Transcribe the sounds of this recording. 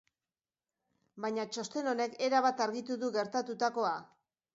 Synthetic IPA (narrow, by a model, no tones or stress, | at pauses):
bajɲat͡ʃo̞st̪e̞no̞ne̞ke̞ɾaβat̪aɾɣit̪uðuɣe̞ɾt̪at̪ut̪ako̞a